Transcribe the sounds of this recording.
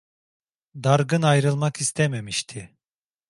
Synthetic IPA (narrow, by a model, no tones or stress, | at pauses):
d̪aɾɡɯnajɾɯlˠmakist̪ʰememiʃt̪ʰɪ